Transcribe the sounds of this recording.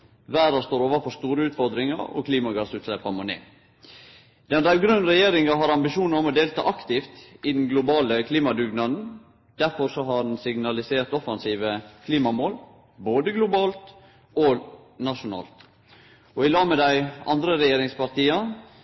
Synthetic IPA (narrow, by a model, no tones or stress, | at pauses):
ʋæːɾɑst̪oːɾoːʋəɾfɔst̪uːɾəʉːt̪fɔɾd̪ɾɪŋɑ̰ɾɔ̰kʰliːmɑɡɑsʉːt̪ʃlɛpːɑmɔnḛː | d̪ɛndɾæɪʋɡɾʉnɾɛjeːɾɪŋɑɦɑɾɑmbɪʃuːnɑɾɔmɔd̪eːlt̪ʰɑ̰ːʔɑkt̪ɪft̪ɪd̪ɛn̩ɡlʊbɑːləkʰliːmɑd̪ʉɡnɑd̪n̩ | d̪̥æɾfɔɾsɔɦɑɖɛn̩sɪɡnɑlɪseːɾt̪ɔfɑnsiːʋəkʰliːmɑmoːl | boːd̪əɡlʊbɑːlt̪ | ɔ | nɑʂʊnɑ̰ːlt̪ | ɔɪlɑːmɛd̪æɪɑ̰nd̪ɾəɾɛjeːɾɪŋspɑɾt̪iːɑ